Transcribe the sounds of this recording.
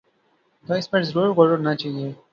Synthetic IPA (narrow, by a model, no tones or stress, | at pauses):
t̪ɔɪsmeʈzɾuɾkɔɾonat͡ʃaːɦie